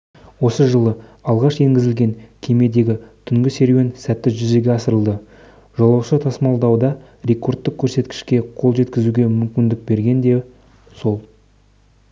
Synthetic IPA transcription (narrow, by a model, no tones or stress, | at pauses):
wo̞səʒəlˠəɑlˠʁɑʃe̞ŋɡʲɪzɪlɡʲe̞ŋkʲʰe̞me̞d̪e̞ɡʲɪt̪ʰʏŋɡʲɪse̞ɾwe̞nsæt̪ːɪʒʏze̞ɡʲe̞ɑsəɾəlˠd̪ə | ʒ̥ɑlˠɑwʃət̪ʰɑsmɑlˠd̪ɑwd̪ɑ | ɾe̞kʰo̞rt̪ːəkʲʰːɵɾse̞t̪kʲɪ̥ʃkʲe̞qʰo̞lˠʒe̞t̪kʲɪzuɡʲe̞mʏmkʲɪnd̪ɪk̚be̞ɾɡʲe̞nd̪e̞ | so̞lˠ